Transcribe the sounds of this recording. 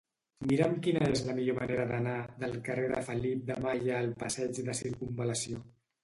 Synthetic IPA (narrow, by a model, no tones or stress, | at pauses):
miɾəmkinəezləmiʎoməneɾəðənaðəlˠkəreðə̰fəlip̚d̪əmajəːlˠpəsɛd͡ʒðəsiɾkumbələsio